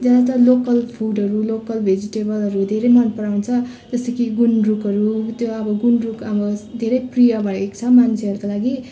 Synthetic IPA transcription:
d͡zʌd̪at̪ʌlokʌlpʰuɖʌɾulokʌlbʱed͡ziʈebʌlʌɾud̪ʱeɾʌjmanpʌɾawnt͡sʰʌ | d͡zʌst̪ʌkiɡunrukʌɾut̪joʌbʌɡunrukʌbʌd̪ʱeɾʌjprijʌbaʈʌekt͡sʰʌmant͡sʰeʌɾukolaɡi

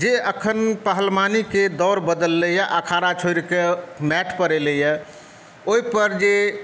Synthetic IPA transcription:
d͡ʒeəkʰənpəɦəlmaniked̪ɔɾbəd̪əlːəjəʔakʰaɾat͡ʃʰoɪɾkemɛʈʰpəɾeləjə | oipəɾd͡ʒe

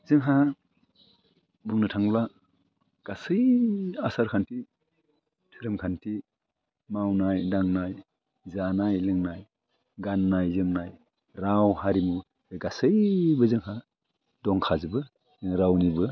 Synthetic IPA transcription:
z̥ɯŋɦa | buŋnɯtʰaŋla | ɡ̥asɯjasaɾkʰanti | tʰuɾɯmkʰantʰi | mawnajdaŋnaj | zanajlɯŋnaj | ɡanːajzɯmnaj | ɾawhaɾimu | ɡasɯjbɯzɯŋɦa | dɔŋkʰazɯbɯ | zɯŋɾawnibɯ

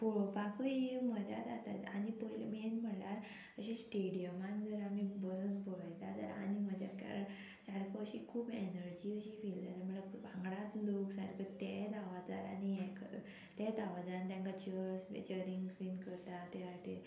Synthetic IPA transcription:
pobakum̤əd͡ʑa̰d͡z̪at̪a̰t̪anipəjlḛmienm̤əɽlaɾ | əɕẽsʈeɽijəmand͡zəɾamibəsuːnpoɽəjt̪at̪ə̰ɾa̰nim̤əd͡ʑa̰ka̰ɾə | saɽkəɕiːkʰuːbenəɾd͡ʑiːəɕiːfilt̪at̪əɾm̤əɭebʱãŋɡɽat̪loksaɽkət̪ed̪aʋat͡sa̰ɾanijek | t̪ed̪aʋad͡zaant̪jãŋkat͡ɕəɾsḛt͡ɕəɾiŋɡsʋinkəɾt̪at̪eat̪e

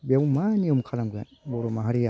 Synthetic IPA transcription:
beumaniomukʰalaŋɡua | boɾomaɦaɾija

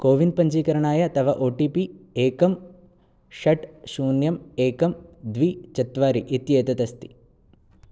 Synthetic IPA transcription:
koːʋinpɐɲt͡ʃiːkɐɾɐɳaːjɐt̪ɐʋɐʔoːʈiːpieːkɐm | ʃɐʈʃuːnjɐmeːkɐmd̪ʋit͡ʃɐt̪ʋaːɾiʔit̪jeːt̪ɐt̪ɐst̪i̥

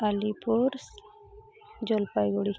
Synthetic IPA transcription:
alipuɾs | d͡ʒolpajɡoɽi

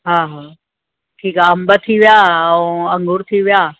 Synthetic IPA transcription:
ɦaːɦaː | ʈʰiːkaɐmbət̪ʰiʋijãːɐ̃ŋɡʱʊɾt̪ʰiʋijaː

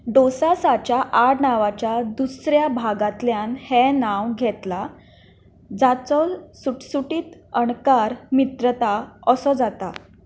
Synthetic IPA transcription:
ɖosasat͡ɕjaʔaɽnaʋat͡ɕjad̪usɾjabʱaɡat̪ljanhɛnaʋɡʱɛt̪la | d͡zat͡sɔsuʈsuʈiːt̪əɳkaɾmit̪ɾət̪aəsɔd͡zat̪a̰

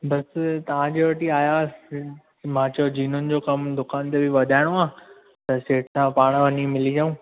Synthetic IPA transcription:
bɐst̪ɐʋ̤ãd͡ʑeʋɐʈiaːja | mãːt͡ɕod͡ʑiːn̤ʊnɪ̆d͡ʑoːkɐmd̪ʊkaːnt̪ebʱɪʋɐd̪ʱaːɪɽ̃oaː | t̪ɐseːʈsãpaːɽ̃ʋɐnimɪlid͡ʑaũː

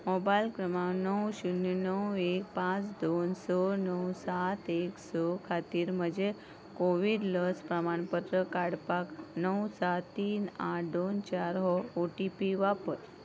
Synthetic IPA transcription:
mobajlkɾəmawnəwɕunːinəwek̚pãt͡sd̪onsɔnəwsat̪eksɔkʰat̪iːɾməd͡ʑe | koʋiɽləspɾəmaɳpət̪ɾəkaɽpaknəwsat̪ːiːna̰ʈd̪ont͡ɕaɾɦɔoʈipiʋapəɾ

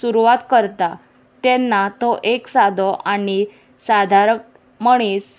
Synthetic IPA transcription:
suɾuʋat̪kəɾt̪a | t̪ɛnːat̪ɔʔeksad̪ʱɔʔaɽ̃i | sad̪ʱaɾə | məɽ̃iːs

